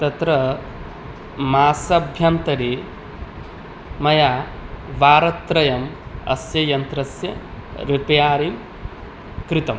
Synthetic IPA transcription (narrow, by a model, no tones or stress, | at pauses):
t̪ɐt̪ɾɐ | maːsɐbʱjɐnt̪ɐɾi | mɐjaʋaːɾɐt̪ɾɐjɐmɐ̰sjɐjɐnt̪ɾɐsjɐ̰ɾipjaːɾim | kɾɪt̪ɐm